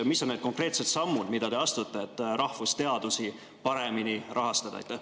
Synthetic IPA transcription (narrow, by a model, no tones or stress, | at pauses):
misːoned̪̥ko̞ŋkre̞ːt̪set̪sɑmːud̪mid̪̥ɑd̪e̞ɑst̪ut̪ːˑeet̪ːˑɾɑhvust̪e̞ɑd̪̥usi | pɑɾe̞minirʔɑɦɑst̪ɑd̪̥ɑ̰jt̪ːæh